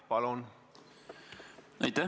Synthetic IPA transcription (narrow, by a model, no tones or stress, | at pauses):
pɑlon | ɑ̰jt̪ːæ